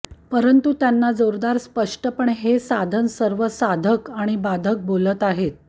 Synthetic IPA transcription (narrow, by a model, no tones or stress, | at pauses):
pəɾənt̪ut̪janːad͡zoɾd̪aɾspəʂʈəpəɳɦesad̪ʱənsəɾʋəsad̪ʱəkaɽ̃ibad̪ʱək̚bolət̪aɦet̪̚